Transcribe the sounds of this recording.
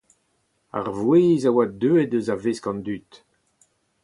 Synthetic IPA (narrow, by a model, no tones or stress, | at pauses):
a̰ʁvweːzawad̪øːedøzaveskɑ̃nd̪yt̪